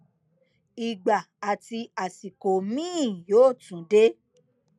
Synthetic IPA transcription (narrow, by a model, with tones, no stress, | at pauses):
i˨ɡ͡ba˨a˨ti˧a˨si˨ko˨mĩː˦˨joː˦˨tũ˨˦de˦